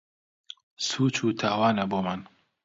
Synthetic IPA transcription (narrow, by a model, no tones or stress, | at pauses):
suːt͡ʃuːt̪ʰaːwaːnɐboːman